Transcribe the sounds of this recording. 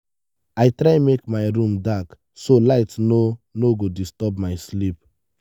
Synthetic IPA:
aɪtɾaɪmekmaɪɾũmdak | solaɪtnonoɡodistɔpmaɪslip

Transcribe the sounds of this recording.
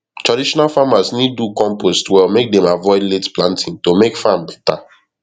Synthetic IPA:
tɹadiʃɔnalfamasnid̚ːukɔ̃mpostwɛlmek̚dɛ̃mavɔɪdletplãntʰĩntomekfãmbɛ̥ta

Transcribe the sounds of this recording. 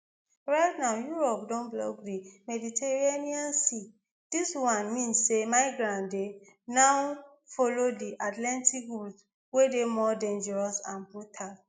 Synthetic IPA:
ɹaɪtnaʊjuɹɔpdɔ̃nblɔ̰ɡdimɛditʰeɹianiãnsi | d̥iswãnmĩnsːemaɪɡɾãnde | naw | fɔlodiʔatlɛ̃ntik̚ɡu | wedemɔdẽnd͡ʒɛɹɔsãnbɹutʰal

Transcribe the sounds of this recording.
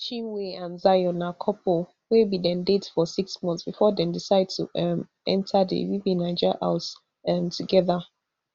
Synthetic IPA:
t͡ʃĩweãnzajɔnakʰɔpʰo | webidɛ̃ndetfɔsiksmɔ̃nθsb̥ifɔdɛ̃ndisaɪd̚tʰuɛm | ɛ̰̃ntʰadḭwivĩnaɪd͡ʒəʔa̰ʊt | ɛmtʰuɡɛða

